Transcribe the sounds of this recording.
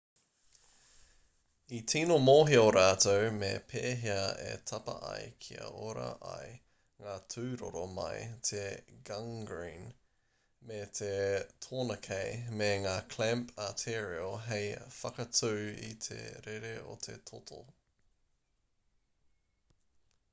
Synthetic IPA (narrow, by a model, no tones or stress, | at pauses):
it̪ʰiːnomoːɦioɾaːt̪owmḛpʰeːɦiɐḛt̪ʰɐpɐ̰ʔɐ̰jkʰiɐ̰oɾɐ̰ʔɐj | ŋaːtʰʉːɾo̰ɾomɐ̰jt̪ʰeɡɐŋɡɹĩːn | met̪ʰetʰoːnɐkʰejmeŋaːkʰlɛmpatʰeɹioɦejfɐkɐtʉːḭt̪ʰḛɾeɾeo̰t̪ʰḛtʰotʰo̰